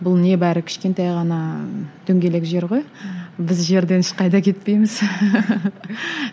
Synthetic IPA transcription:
bʊlˠne̞bæɾɪkʲʰɪ̥ʃkʲe̞nt̪ɑjʁɑnɑd̪̥ɵŋɡʲe̞le̞kʒe̞ɾʁo̞jbɪzʒe̞ɾd̪e̞nɪʃqɑjd̪ɑkʲʰe̞t̪pe̞jmɪz

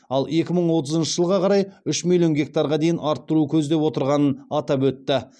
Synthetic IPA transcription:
ɑlˠe̞kʲɪməɴwo̞t̪̬əzənʃəʒəlˠʁɑqʰɑɾɑjʏʃmilʲˠijo̞nɡʲe̞k̚t̪aɾʁɑd̪e̞jɪnɑɾt̪ːʊɾukʲʰɵz̪d̪e̞pwo̞t̪əɾʁɑnənɑt̪ɑpwɵt̪ːɪ

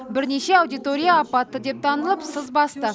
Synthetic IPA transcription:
bɪɾne̞ʃe̞awd̪ijt̪o̞ɾʲijaːpɑt̪ːəd̪e̞p̚t̪ʰɑnəlˠəpsəzbɑst̪ə

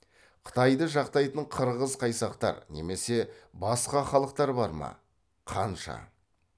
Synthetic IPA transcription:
qʰə̥t̪ɑjd̪əʒɑqt̪ɑjt̪əɴqʰəɾʁəzqʰɑjsɑqt̪ɑ̰ɾne̞̰me̞se̞bɑsqɑχɑlˠəq̚t̪ɑɾbɑɾmɑ̰ | qʰɑnʃɑ̰

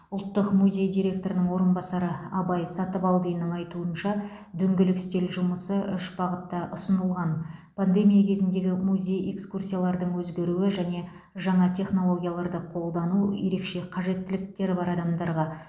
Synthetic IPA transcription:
ʊlˠt̪ːəqmuzʲe̞jd̪iɾʲe̞k̚t̪o̞ɾɪnəɴwo̞ɾənbɑsɑɾəɑbɑjsɑt̪əpɑlˠd̪ijənəɴɑjt̪uənʃɑ | d̪ʏŋɡʲɪlɪkst̪e̞lʒʊməsəʔʏʃbɑʁət̪ːɑʔʊsənəlˠʁɑnpʰand̪e̞mʲijakʲʰe̞zɪnd̪e̞ɡʲɪmuzʲe̞je̞kskursʲijalˠɑɾd̪əɴwɵzɡʲe̞ɾuɪʒæne̞ | ʒɑɴɑt̪ʲʰe̞χno̞lˠo̞ɡʲijalˠɑɾd̪əqʰo̞lˠd̪ɑnuje̞̰ɾe̞kʃe̞qʰɑʒe̞t̪ːɪlɪkt̪e̞ɾɪbɑɾɑd̪ɑmd̪ɑɾʁɑ

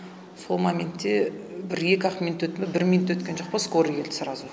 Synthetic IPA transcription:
so̞lˠmamʲent̪ːe̞bɪɾje̞kʲɑqmʲinut̪ːwɵt̪mɪbɪɾmʲinut̪ːwɵt̪kʲe̞nʒo̞q̚pɑsko̞ɾikʰʲe̞lɪ̥sɾɑzu

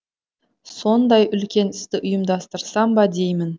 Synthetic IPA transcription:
so̞nd̪ɑjʔʏlkʲe̞nɪst̪ɪʔʊjəmd̪ɑst̪əɾsɑmbɑd̪e̞jmɪn

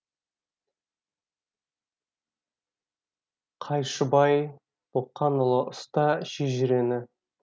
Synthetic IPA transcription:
qʰɑjʃəbɑj | b̥oqːɑnəlˠəʔʊst̪ɑʃeʒɪɾe̞nɪ

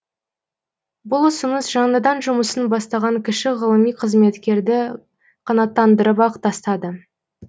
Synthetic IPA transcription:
bʊlˠʊsənəsʒɑɴləd̪ɑnʒʊməsənbɑst̪ɑʁɑŋkʲʰɪʃɪʁəlˠəmijqʰəzme̞t̪kʲe̞ɾd̪ɪ | qʰɑnɑt̪ːɑnd̪əɾəpɑqt̪ɑst̪ɑd̪ə

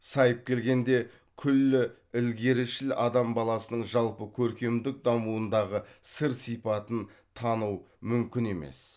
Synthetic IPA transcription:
sɑjəp̚kʲʰe̞lɡʲe̞nd̪e̞ | kʲʰʏlːɪ | ɪlɡʲe̞ɾɪʃɪlɑd̪ɑmbɑlˠɑsənəɴʒɑlˠpəkʲʰɵɾkʲe̞md̪ɪk̚d̪ɑmuənd̪ɑʁəsəɾsijpɑt̪ənt̪ʰɑnuw | mʏmkʲɪne̞mḛs

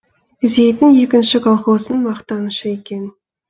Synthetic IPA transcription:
ɪze̞jt̪ɪnje̞kʲɪnʃɪkʰolˠχo̞sənmɑqt̪ɑnəʃəe̞kʲe̞n

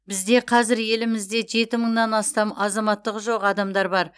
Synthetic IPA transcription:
bɪzd̪e̞qʰɑzɪɾje̞lɪmɪzd̪e̞ʒe̞t̪ɪməɴnɑnɑst̪ɑmɑzɑmɑt̪ːəqʒo̞qɑd̪ɑmd̪ɑɾbɑɾ

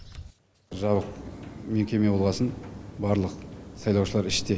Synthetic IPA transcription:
ʒɑβəq̚meŋkʲʰe̞me̞bo̞lˠʁɑsənbɑɾlˠəqsɑjlˠɑwʃəlˠɑɾɪʃt̪e

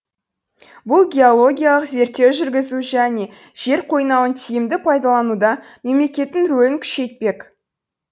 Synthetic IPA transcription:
bʊlˠɡʲe̞o̞lˠo̞ɡʲijalˠəqze̞ɾt̪ːe̞wʒʏɾɡʲɪzuʒæne̞ | ʒ̥e̞ɾqʰo̞jnɑwənt̪ʰijɪmd̪ɪpʰɑjd̪ɑlˠɑnud̪ɑme̞mle̞kʲe̞t̪ːɪŋɾɵlɪŋkʲʰʏ̥ʃe̞jt̪̚pe̞k

